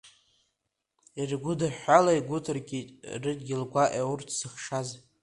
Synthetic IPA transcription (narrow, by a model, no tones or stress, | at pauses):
irɡʷʊdaħʷalajɡʷʊtʰɨrɡʲitʼrɨtʼɡʲɪlɡʷaʔaurtʰsɨχʂaz